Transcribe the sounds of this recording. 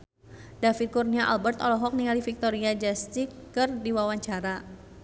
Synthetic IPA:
dafit̪̚kurniaʔa̰lbərt̪ɔlɔɦɔk̚niŋalifik̚t̪ɔɾiad͡ʒast̪ikɨrdiwawaɲt͡ʃaɾa

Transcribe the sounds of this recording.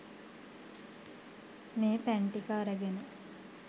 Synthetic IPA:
meːpæɳʈikaːɾəɡenə

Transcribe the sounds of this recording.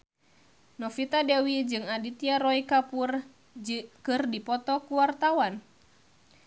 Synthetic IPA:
nɔfit̪adewid͡ʒɨŋadit̪iaɾɔikapur | kɨrdipɔt̪ɔkuwart̪awan

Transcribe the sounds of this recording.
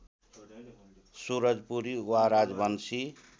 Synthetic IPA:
suɾʌd͡zpuɾiwaɾad͡zbʌnsi

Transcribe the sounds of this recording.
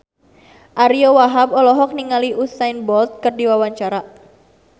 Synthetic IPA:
ʔaɾiowaɦab̚ɔlɔɦɔk̚niŋaliʔusajnbɔlt̪̚kərdiwawaɲt͡ʃaɾa

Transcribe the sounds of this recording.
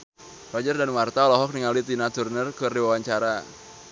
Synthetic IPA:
blad͡ʒardanwart̪aɔlɔɦɔk̚niŋalit̪inat̪urnərkɨrdiwawaɲt͡ʃaɾa

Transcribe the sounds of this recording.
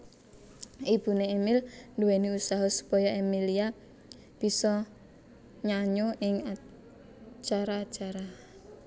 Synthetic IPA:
ʔib̥ṳneːmɪlnduwɛniusaɦɔsu̥pɔjɔʔemilia | b̥isɔ | ɲaɲoʔɪŋa | t͡ʃaɾaːt͡ʃaɾa

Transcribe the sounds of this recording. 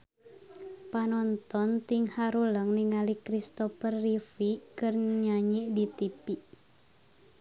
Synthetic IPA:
panɔnt̪ɔnt̪iŋhaɾuləŋniŋalikɾist̪ɔfərːifikɨrɲaɲiʔdit̪ipiʔ

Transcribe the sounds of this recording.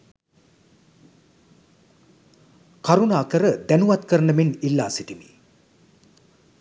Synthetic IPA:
kaɾunaːkəɾəd̪ænuʋat̪kəɾənəminilːaːsiʈimḭ

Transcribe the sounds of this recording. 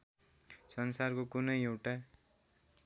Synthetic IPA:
sʌnsarkokunʌjewʈa

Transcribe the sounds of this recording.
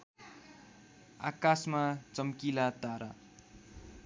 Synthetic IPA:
a̰kasmat͡sʌmkilat̪aɾa

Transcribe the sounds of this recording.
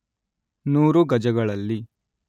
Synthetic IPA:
nuːɾuɡɐd͡ʒɐɡɐɭɐlːi

